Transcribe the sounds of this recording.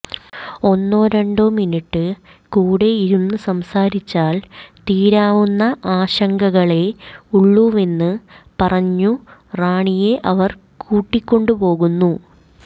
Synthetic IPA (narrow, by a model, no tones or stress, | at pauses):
o̞nːoːɾɐɳɖominiʈːɨ | kuːɽe̞iɾunːɨsɐmsaːɾit͡ɕːaːlt̪iːɾaːʋunːɐʔaːɕɐŋɡɐɣɐɭe̞uɭːuʋe̞nːɨpɐrɐɲːuraːɳije̞ʔɐʋɐr | kuːʈːikʲːo̞ɳɖupo̞ːɣunːu